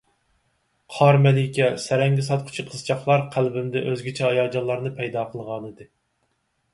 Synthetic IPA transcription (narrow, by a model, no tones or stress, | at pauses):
qʰɑɾmɛlɪkʲɛsɛɾɛŋɡʲɪs̬ɑt̪̚qʰʊ̥t͡ʃʰiqʰəz̥t͡ʃʰɑχlˠɑɾqʰælbɪmd̪ɛʔøzɡʲit͡ʃʰɛɑjɑd͡ʒɑnlˠɑɾnɨpʰɛjd̪ɑqʰəlˠʁɑnɨd̪ɨ